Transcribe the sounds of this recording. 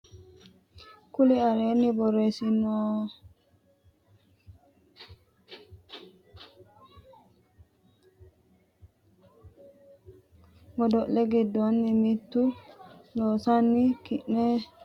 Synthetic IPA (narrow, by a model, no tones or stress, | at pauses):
kuliaɾenibɔɾesinɔ | mɔdɔʔleɡidɔnːimitːunɔsanːikiʔnɛ